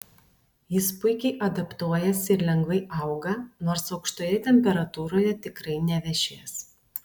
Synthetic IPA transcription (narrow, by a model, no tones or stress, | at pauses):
jɪspʊɪkʲɛɪʔɐd̪ɐpt̪uɔjɛsɪɾlʲɛŋɡʋɐɪʔɐˑʊɡɐnoːɾsɒʊkʃt̪oːjɛt̪ʲɛmʲpʲɛɾɐt̪uːɾoːjɛt̪ʲɪkɾɐɪnʲɛʋʲɛʃʲeːs